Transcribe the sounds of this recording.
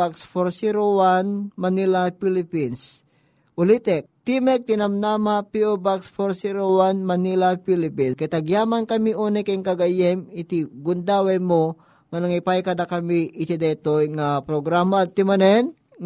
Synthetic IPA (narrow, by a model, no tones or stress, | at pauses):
aksfoɾsiɾowanmɐnilapilɪpins | ʔʊlit̪ɛk̚t̪imɛk̚t̪ɪnɐmnamapiʔobaksfoɾsiɾowanmɐnilapilɪpinkɐt̪ɐɡjaːmankɐmiʔoːnɛkaŋkɐɡajɛmɪt̪iɡʊnd̪aːwajmo | ŋɐnɐŋɪpajkɐd̪akɐmiʔɪt̪id̪ɛt̪ojŋapɾoɡɾamat̪ːimɐnɛn